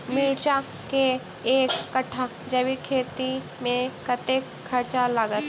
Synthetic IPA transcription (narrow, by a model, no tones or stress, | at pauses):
miɾt͡ʃã | ke | eːkːɐʈʰːa | d͡ʒɐbikʰeːt̪i | mẽkət̪e | ɐɾt͡ʃalaɡət̪